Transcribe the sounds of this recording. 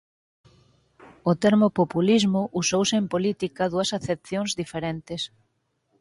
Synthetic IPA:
ʊt̪eɾmopopulizmʊʔusowsɪempolit̪ikɐðuɐsaθep̚θjoŋzðifeɾent̪es

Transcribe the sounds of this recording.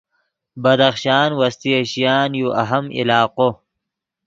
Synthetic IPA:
bɐd̪ɐxʃɑːnwɐst̪iɐɕijaːnjuʔɐɦɐmḭlɑːqo

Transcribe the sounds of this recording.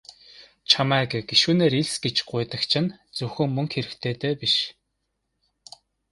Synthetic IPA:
t͡ɕʰamæːɡɡ̥iʃuːneːɾiɮsɡet͡ɕɢʊjt̪ə̆xt͡ɕʰɪ̆nt͡sɵxɵ̆ŋmːɵŋkxeɾɘ̆kt̪ʰeːt̪eːpiʃ

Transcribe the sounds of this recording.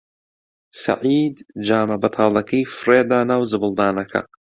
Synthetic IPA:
sɐ̰ʕiːd̪d͡ʒaːmɐbɐt̪ʰɑːlˠɐkʰɐjfɨreːd̪aːnaːwzɨbɨlˠd̪aːnɐkʰɐ̰

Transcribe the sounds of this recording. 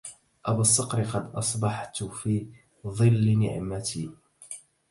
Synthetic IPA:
ʔabasˤːɑqɾɪqɑd̪ʔɑsˤbɑħt̪fiː | ðˤɨlːnɪ̰ʕmat̪iː

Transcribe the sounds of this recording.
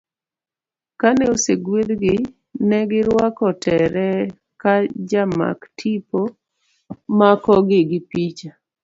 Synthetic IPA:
kanɛoseɡwed̪ɡɪ | nɛɡɪɾwakɔtɛɾɛ | kad͡ʒama̰ktʰipo | makɔɡɪɡɪpit͡ʃa

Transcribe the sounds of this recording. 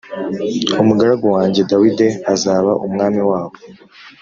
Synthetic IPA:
umuɡaɾaɡowaːɲɟe̞dawide̞azaːβaʔumŋaːmiwaːβo

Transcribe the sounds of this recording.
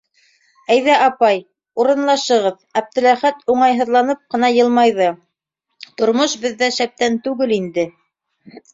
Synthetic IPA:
æjðæʔɑpɑj | uɾɤ̆nlˠɑʃɤ̆ʁɤðɑb̚t̪ɘ̆læχæt̪uɴɑjɦɤ̆ðlˠɑnɤp̚qɤ̆nɑjɤ̆lˠmɑjðɤ | t̪ŏɾmoʃbɘ̆ðːæʃæp̚t̪ænt̪ʉɡɘlind̪ɘ

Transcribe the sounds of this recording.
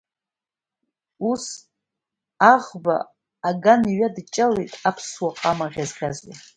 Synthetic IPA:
us | aʁba̰ː | ɡaniɥadt͡ʃʼalejtʼapʰswaqʼamaʁʲazɡʲʰazḭ

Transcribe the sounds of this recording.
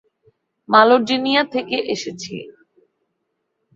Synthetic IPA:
maloɖinijat̪ʰekeʔeʃet͡ɕʰḭ

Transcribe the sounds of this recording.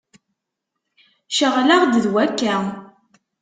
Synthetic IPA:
ʃəʁlaʁd̪əðwækːæ

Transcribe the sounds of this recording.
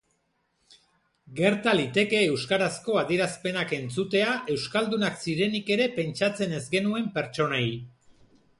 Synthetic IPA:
ɡe̞ɾt̪alit̪e̞ke̞ːwskaɾasko̞aðieɾaspe̞nake̞nt͡sut̪e̞aʔe̞wskald̪unaksiɾe̞nike̞ɾe̞pe̞nt͡ʃat͡se̞ne̞zɡe̞nue̞mpe̞ɾt͡ʃo̞naj

